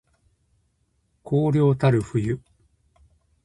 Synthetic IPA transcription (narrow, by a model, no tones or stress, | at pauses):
kʰoːɾʲjo̞ːt̪aɾɯ̟ɸɯ̟jɯ